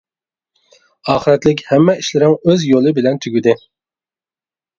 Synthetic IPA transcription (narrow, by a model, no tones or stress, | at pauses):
ɑːχəɾɛt̪lɪk̬ʲhɛmːɛiʃlɪɾɪŋøzjolˠɨbɪlɛnt̪ʰyɡʲyd̪ɪ